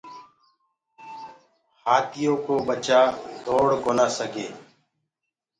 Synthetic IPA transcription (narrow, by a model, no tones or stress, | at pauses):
haːt̪ɪjõːkoːɓət͡ʃaːd̪ʱoːɽkoːnaːsəɡeː